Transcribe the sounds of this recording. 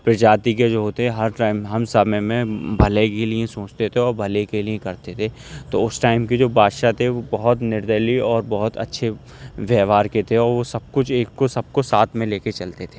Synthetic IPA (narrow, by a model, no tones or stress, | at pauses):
pɪɾd͡ʒaːt̪ik̬ed͡ʒoːɦoːt̪eɛɦɐɾʈaːɪmɦɐmsɐmɛmẽbʱɐlekeliẽsoːt͡ʃt̪et̪ʰeɔːɾbʱɐlekeliẽkɐɾt̪et̪ʰeː | t̪oʊsʈaːɪmked͡ʒoːbʱaːd̪ʃat̪ʰeʋobɐɦʊt̪nɪɾd̪əliɔːɾbɐɦʊt̪ɐ̰tːʃʰe | ʋjɛːʋaːɾket̪ʰeɔːɾʋosɐb̚kʊt͡ʃʰeːkːosɐb̚kosaːt̪ʰmẽleːket͡ʃɐlt̪et̪ʰe̥ː